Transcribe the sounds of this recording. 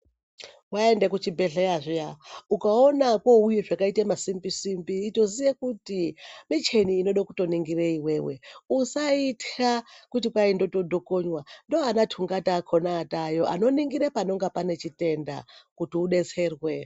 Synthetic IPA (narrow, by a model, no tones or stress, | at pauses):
waendekut͡ʃibʱeɮejaʐijaukaonako̞ujeʐakaitemasimbisimbiːto̞zijekutimit͡ʃe̞niːno̞ɗokuto̞niŋɡireiweːwḛusaitakutipaindo̞to̞do̞ko̞ɲwandoanatʰuŋɡataːkʰonaːtajoʔa̰no̞niŋɡiɾepano̞ŋɡapane̞t͡ʃite̞nda̰kutiuɗe̞t͡sʰe̞ːrwe